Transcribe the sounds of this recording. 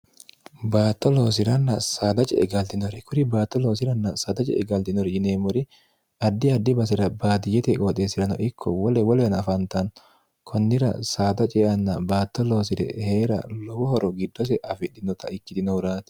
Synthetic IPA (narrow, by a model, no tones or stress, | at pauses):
baːt̪ːɔloːs̬ɪɾɐnːɐsaːd̪ɐt͡ʃʼɛ̰ʔɛɡɐlt̪ɪnɔɾɛkʊɾɪbaːt̪ːɔloːs̬ɪɾɐnːɐsaːd̪ɐt͡ʃʼɛ̰ɛɡɐlt̪ɪnɔɾɛd͡ʒɪneːmʊɾɪ | ɐd̪ːɪɐd̪ːɪbɐs̬ɪɾɐbaːt̪ɪjɛt̪ɛkʼɔːt̪ʼeːsɪɾɐnɔʔɪkʰːɔ̰wɔlɛwɔlɛnɐfɐnt̪ɐn | kʰɔnːɪɾɐ̰saːd̪ɐt͡ʃʼɛʔɐnːɐbaːt̪ːɔlo̞ːsɪɾɛ̰heːɾɐ̰lɔwɔhɔɾɔɡɪd̪ːɔs̬ɛʔɐfɪᶑːɪnɔt̪ɐʔɪkːɪt̪ɪnɔʊɾaːt̪ɛ̥